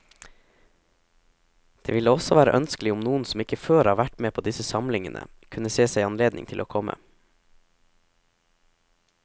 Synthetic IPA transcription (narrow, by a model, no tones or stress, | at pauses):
d̪̥eːʋɪləɔsɔʋæːɾəʔœnskl̩ɪʊmnuːən̩sɔmɪkəføːɾɑːʋæʈmeːpʰoːd̪ɪsəsɑmlɪŋənʔə̰ | kʰʉnəseːsæɪɑnleːd̪nɪ̰ŋt̪ʰɪloːkʰɔmə̰